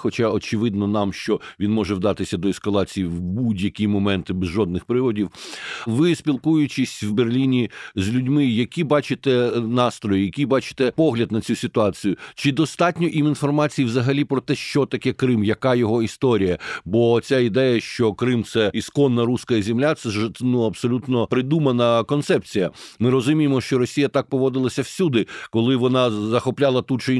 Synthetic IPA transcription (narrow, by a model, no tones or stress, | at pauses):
xɔt͡ʃɑɔt͡ʃɪʋɪd̪nɔnɑmʃt͡ʃɔʋʲinmɔʒɛwd̪ɑt̪ɪsʲɐd̪ɔɛskɐlˠɑt͡sʲijiwbudʲjɐkʲimɔmɛnt̪ɪbɛzʒɔd̪nɪxpɾɪʋɔdʲiwʋɪsʲpʲilˠkujʊt͡ʃɪsʲwberlʲinʲizʲlʲʊdʲmɪjɐkʲibɑt͡ʃɪt̪ɛnɑst̪ɾɔjijɐkʲibɑt͡ʃɪ̥t̪ɛpɔɦlʲɐd̪nɐt͡sʲusʲɪt̪ʊɑt͡sʲijʊt͡ʃɪd̪ɔst̪ɑtʲnʲɔʔiminfɔrmɑt͡sʲijiʋzɐɦɐlʲipɾɔt̪ɛʃt͡ʃɔt̪ɐkɛkɾɪmjɐkɑjɔɦɔist̪ɔɾʲijɐbɔt͡sʲaid̪ɛjɐʃt͡ʃɔkɾɪmt̪sɛiskɔnːɐɾuskɐjɐzʲɪmlʲat̪sɛnuɐpsɔlʲut̪nɔpɾɪd̪umɐnɐkɔnt̪sɛp̚t͡sʲijɐmɪɾɔzʊmʲijemɔʃt͡ʃɔɾɔsʲijɐt̪ɑk̚pɔʋɔd̪ɪlˠɐsʲɐwsʲud̪ɪkɔlˠɪʋɔnɑzɐxɔplʲɑlˠɐt̪ut͡ʃɪ